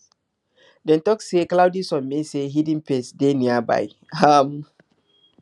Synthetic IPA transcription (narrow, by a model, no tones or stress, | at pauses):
dɛ̃ntɔkseklawdisɔ̃nmeseɦidĩnpesdeniaba̰j | am